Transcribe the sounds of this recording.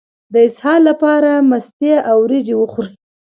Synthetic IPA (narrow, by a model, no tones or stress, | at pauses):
d̪əɪshɑlːapɑɾamast̪eʔawɾed͡ʒewəxuɾ